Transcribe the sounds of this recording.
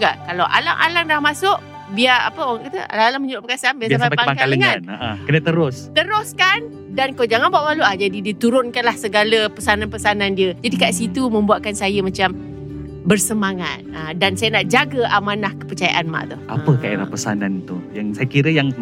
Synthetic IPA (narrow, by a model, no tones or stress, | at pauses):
d͡ʒuɡa̰ʔkalawʔa̰la̰ŋʔa̰laŋdahmasʊʔ | biaa̰pəwaŋaʔkat̪ə̰a̰laŋalaŋməɲəɾʊʔpəkasanbiasasapaŋakaaləŋanaʔãkənət̪əɾʊst̪əɾʊskan | dankad͡ʒaŋanbuaʔmaluahd͡ʒadidiət̪uɾʊnkanlahsəɡaləpəsananpəsanandiəd͡ʒadikaʔsit̪umə̃mbuat̪̚kansajəmat͡ʃam | bərsəmaŋa̰t̪̚adansajənaʔd͡ʒaɡəamanahkə̥pərt͡ʃaja̰ʔanma̰ʔt̪ʊhʔa̰pəkaʔḛɾa̰hpəsa̰nant̪ujaŋsajakiɾəjaŋ